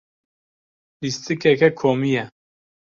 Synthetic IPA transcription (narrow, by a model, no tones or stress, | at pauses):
list̪ʰɨkɛkɛkʰomijɛ